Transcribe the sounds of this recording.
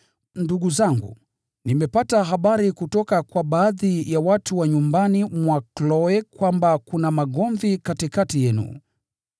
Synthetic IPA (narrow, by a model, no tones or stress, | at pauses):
nduɠuzaŋɡṵ | nimɛpataɦaɓaɾikutɔkakwaɓaːðijawatuwaɲumbanimwaklɔɛkwambakunamaɠɔɱvikatikatijɛnṵ